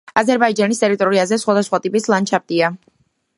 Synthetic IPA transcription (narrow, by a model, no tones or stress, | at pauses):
azɛɾbaid͡ʒanist̪ʼɛɾit̪ʼɔɾiazɛsχwad̪asχwat̪ʼipʼislˠant͡ʃʰap̚t̪ʼia